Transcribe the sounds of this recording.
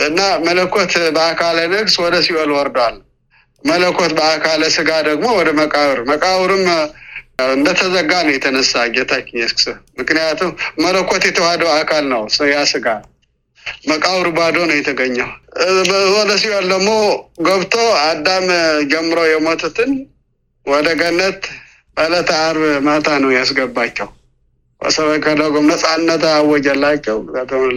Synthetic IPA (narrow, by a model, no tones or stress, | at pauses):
ɨnːamələkːot̪bəakʰalənɨɡswɔd̪əsiwɔlwɔɾd̪wal | mələkːot̪bəakʰaləsɨɡad̪əɡmo̞wɔd̪əməkʼawɨɾməkʼawɨɾɨm | ɨnd̪ət̪ʰəzəɡanəjɛt̪ʰənəsːad͡ʒɛt̪ʰat͡ʃːɲɛskʼsɨmɨknɨjat̪ʰumːələkːot̪jɛt̪ʰəwad̪əwakʰalnəwsɨjasɨɡa | məkʼawɾbad̪onəwjɛt̪ʰəɡəɲːaw | ɔd̪əsiwald̪əmːoɡəβt̪ʰoad̪ːamd͡ʒɛmːɨɾowjɛmot̪ʰut̪ɨn | wɔd̪əɡənːət̪ | bələt̪ʰəaɾβmat̪ʰanəwjasɡəbːat͡ʃːɛw | bə̰səβəkədəɡomnəsʼanːət̪aːwːɔd͡ʒɛlːat͡ʃːɛwat̪ə